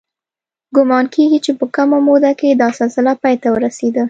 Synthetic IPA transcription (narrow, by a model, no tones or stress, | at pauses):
ɡʊmɑnkeɡit͡ʃepəkəmamod̪aked̪ɑsɪlsɪlapɑjt̪awəɾased̪ə